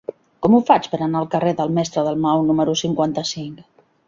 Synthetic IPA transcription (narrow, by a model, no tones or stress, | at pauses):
kɔmufat͡spəɾənaəlˠkəreðəlˠmɛst̪ɾəðəlˠmawnuməɾusiŋkwant̪əsiŋk